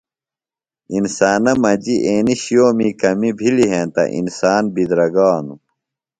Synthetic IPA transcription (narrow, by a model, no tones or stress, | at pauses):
insaːnɐmɐd͡ʑiʔeːniɕijoːmikɐmibʱiliɦẽːt̪ɐ̰ʔḭnsaːnbid̪ɾɐɡaːnu